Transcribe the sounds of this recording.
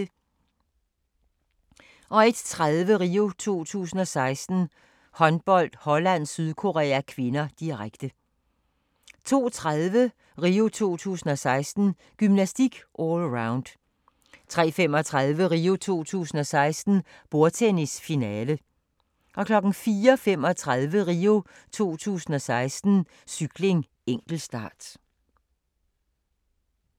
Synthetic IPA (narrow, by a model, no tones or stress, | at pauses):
ʔɒ̽e̝d̥t͡sʰʁaðˠʋəʁio̝t͡sʰo̝̰ːt͡sʰṵːsn̩ɒ̽sɑ̈ɪsd̥n̩ | hɒ̽nb̥ɒ̽l̰d̥hɒ̽læn̰syð̞ˠkʰo̝ʁɛ̰ːækʰʋe̝nɐd̥iʁaɡ̥d̥ə | t͡sʰo̝̰ːt͡sʰʁaðˠʋə | ʁiːo̝t͡sʰo̝̰ːt͡sʰṵːsn̩ɒ̽sɑ̈ɪsd̥n̩ | ɡ̥ymnæsd̥iɡ̥ʔɔlʁɑ̈ʊnd̥ | t͡sʰʁɛ̰ːfem̰ɒ̽t͡sʰʁaðˠʋəʁiːo̝t͡sʰo̝̰ːt͡sʰṵːsn̩ɒ̽sɑ̈ɪsd̥n̩ | b̥o̝ɐt͡sʰenisfinɛːlə | ʔɒ̽kʰlɒ̽ɡ̥n̩fiːɐfem̰ɒ̽t͡sʰʁaðˠʋəʁiːo̝ | t͡sʰo̝̰ːt͡sʰṵːsn̩ɒ̽sɑ̈ɪsd̥n̩ | syɡ̥le̝ŋ | eŋ̰ɡ̥l̩sd̥ɑ̰̈ːd̥